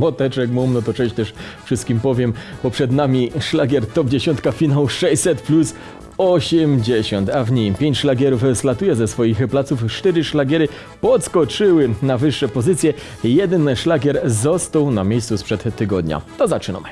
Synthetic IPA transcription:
mɔt̪ɛt͡ʂɛkmumnɔt̪ɔt͡ʂɛɕt̪ɛʂfʂɘst̪̚kʲimpɔvʲjɛmb̥ɔpʂɛd̪namʲiʂlaɡʲɛɾt̪ɔbd͡ʑeɕɔnt̪̚kafʲinawʂɛɕsɛt̪plus | ɔɕɛmd͡ʑeɕɔnt̪avɲijmpʲjeɲt͡ɕʂlaɡʲjɛɾufslat̪ujɛzɛsfɔjixplat̪suft͡ʂt̪ɛɾɘʂlaɡʲjɛɾɘ | pɔt̪skɔt͡ʂɘwɘnavɘʂːɛpɔzɘt̪sʲjɛ | jɛd̪ɛnʂlaɡʲɛɾzɔst̪awnamʲejst̪suspʂɛt̪ːɘɡɔd̪ɲa̰t̪ɔzat͡ʂɨna̰m

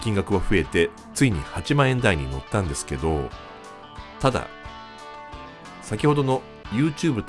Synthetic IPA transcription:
kʲĩŋɡakɯ̟βaɸɯ̟e̞t̪e̞ | t͡sɨiɲ̟ihat͡ɕimãɰ̃ẽ̞nd̪aiɲ̟ino̞t̪ːãnd̪e̞sɨ̥ke̞d̪o̞ | t̪ad̪a̰ | sakʲiho̞d̪o̞no̞ | jɯ̟ːt͡ɕɨːbɯ̟t̪

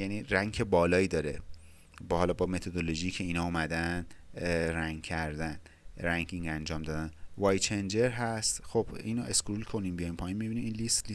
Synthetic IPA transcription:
jæniɾæŋkʰe̞bɒːlɒːiːd̪ɒːɾe | bhɒlɒbɒme̞t̪ʰod̪oloʒijcʰe̞iːnɒːumæd̪æn | ræŋɡcʰæɾd̪æn | ɾæŋɡiŋænd͡ʒɒːmd̪ɒːd̪ænvɒːjt͡ʃʰend͡ʒe̞ɾɦæst̪xob̥iːnoeskɾulkʰo̞niːmbijɒjinpʰɒːjinmibinimiːnlist̪li

